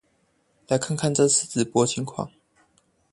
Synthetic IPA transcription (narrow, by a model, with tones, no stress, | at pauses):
la˨˥ɪkʰa˥˨nkʰa˥˨nʈ͡ʂɤ˥˧t͡sʰɹ̩˥˧˩t͡sɹ̩˨˩pwɔ˧˥t͡ɕʰi˧˥ŋkʰwɑ̰˥˩ŋ